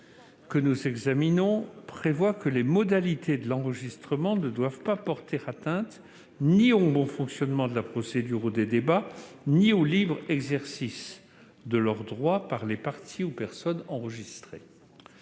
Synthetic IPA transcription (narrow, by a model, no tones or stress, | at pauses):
kənuzɛɡzaminɔ̃pχevwakəlemɔd̪alit̪ʰed̪əlɑ̃ʁəʒist̪χəmɑ̃nəd̪wavpapɔʁt̪eʁat̪ɛ̃t̪ | niobɔ̃fɔ̃ksjɔnmɑ̃d̪əlapχɔsed̪yʁud̪ed̪ebaniolibʁɛɡzɛʁsis | d̪əlœʁd̪ʁwapaʁlepaʁt̪ʰiupɛʁsɔnɑ̃ʁəʒist̪χe